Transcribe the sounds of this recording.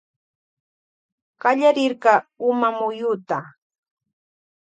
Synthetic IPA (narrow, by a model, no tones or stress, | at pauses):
ɢɑʎaɾɪɾɢɑːʊmamʊjʊt̪a